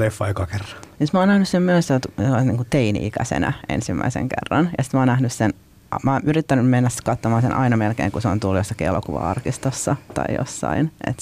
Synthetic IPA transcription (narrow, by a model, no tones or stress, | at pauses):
lefːɑjkɑkerːɑ̥nisit̪mɑoːnæhnyssemmyøsselt̪selːɑniːŋkut̪einḭikæsḛnæ̰ḛnsimːæ̰isḛŋkḛrːɑnjɑsi̥t̪mɑoːnæhnyssen | mɑːnʔyrit̪ːænymmenːæskɑt̪ːomɑːsenʔɑ̰inɑmelkḛːŋkuseont̪ulːujosːɑkielo̰kuʋɑ̰ɑ̰rkist̪osːɑt̪ɑ̰ijo̰sːɑ̰inʔḛt̪